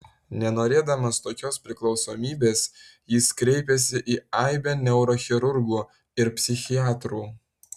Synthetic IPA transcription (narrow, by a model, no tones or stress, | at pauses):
nʲɛnoːɾʲeːd̪ɐmɐst̪oːkʲoːspʲɾʲɪklˠɒʊsoːmʲiːbʲeːsjɪːskɾʲɛɪpʲɛsʲɪʔiːɑɪbʲɛnʲɛʊɾɔxʲɪɾʊɾɡuː | ɪɾpʲsʲɪxʲɪjɑːt̪ɾuː